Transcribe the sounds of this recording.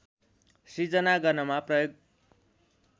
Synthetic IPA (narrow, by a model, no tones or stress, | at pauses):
sid͡zʌnaɡʌnʌmaprʌjoɡ